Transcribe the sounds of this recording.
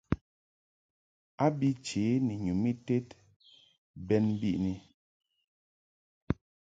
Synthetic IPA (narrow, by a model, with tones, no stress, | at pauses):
a˦bi˦t͡ʃe˨˦ni˨ɲu˨mi˦te˦t | bɛ˦nbi˦˨ʔni˨